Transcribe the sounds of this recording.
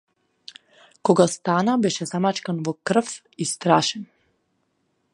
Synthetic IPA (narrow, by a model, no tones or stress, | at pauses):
koɡast̪aːnabeʃɛzamat͡ʃkanʋokr̩f | ist̪ɾaːʃen